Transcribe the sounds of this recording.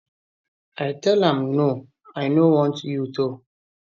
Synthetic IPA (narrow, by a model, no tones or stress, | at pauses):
aɪtʰɛlãmno | aɪnowɔ̃ntjuto